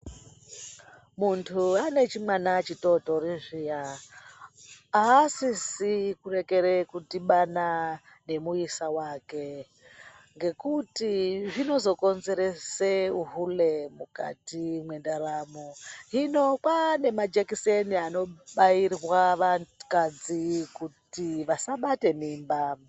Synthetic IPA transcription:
muntʰuane̞t͡ʃimwanat͡ʃito̞to̞riʐija | aːsisikure̞ke̞ɾekutiɓana | ne̞muisawaːke̞ | ŋɡe̞kutiʐino̞zo̞ko̞nze̞ɾe̞seuɦulemuka̰timwe̞ndaɾaːmuɦino̞kwane̞mad͡ʒekiseniano̞ɓairwaʋakad͡zikutiʋasaɓate̞miːmba

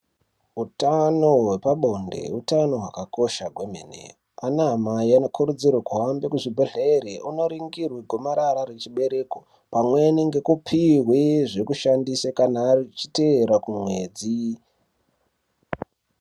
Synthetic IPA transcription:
utano̞ɦwepaɓo̞nde̞̰utano̞ɦwakako̞ʃaɡʱwemḛnḛ | anaamaiano̞kʰuɾud͡zirwakuɦambekuʐibʱeɮeeɾeʔuno̞ɾiŋɡirwiɡʱomaɾaɾaɾet͡ʃiɓe̞ɾe̞ko | pamweneŋɡe̞kupʰirweʐekuʃandisakanarit͡ʃi̥teɾakumwe̞d͡zi

